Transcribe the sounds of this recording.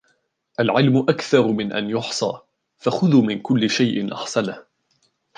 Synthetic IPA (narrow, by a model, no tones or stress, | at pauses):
ʔalʕɪlmʊʔakθɑɾˤmɪnʔa̰njʊħsˤɑ̰ː | faxʊðuːmɪnkʊlːɪʃajʔɪnʔɑ̰ħsanah